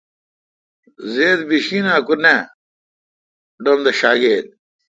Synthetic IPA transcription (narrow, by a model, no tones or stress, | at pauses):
zeːd̪biɕinãːkune | ɖomd̪ɐɕaːɡeːd̪̚